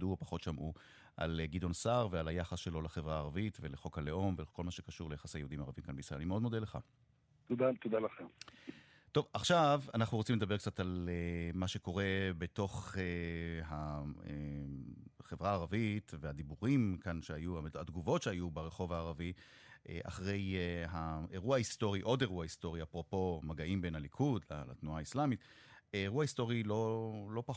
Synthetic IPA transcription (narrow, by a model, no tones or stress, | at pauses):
duopḁχo̞t̪ʃamʔu | ʔa̰lɡid̪o̞nsaʁvealajaχasʃelo̞leχevʁaːʁavitveleχo̞kaleʔo̞mvekʰo̞lmaʃekaʃuʁlejaχaseajud̪imaʁavimkanbeisʁelanimeo̞d̪mo̞d̪eleχa̰ | t̪od̪at̪od̪alaχem | t̪o̞vaχʃavanaχnuʁot͡simledɐbe̞kt͡satalemaʃe̞ko̞ʁe̞beto̞χeɦae | χevʁaːʁavitvead̪ibuʁimkanʃeajuaad̪ɡuvo̞tʃeajubeʁe̞χo̞vaːʁavi | ʔḛʔa̰χʁe̞jɦaeʁuaist̪o̞ʁiʔo̞de̞ʁuaist̪o̞ʁiapʁo̞po̞maɡaimbe̞nalikʰudla̰la̰t̪nuaːislamit̪eːʁuaist̪o̞ʁilo̞lo̞pa